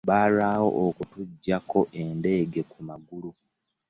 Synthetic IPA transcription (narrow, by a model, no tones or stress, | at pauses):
βaːlaːwo̞̰ʔokutuɟːako̞ʔe̞nde̞ːɡe̞kumaɡulu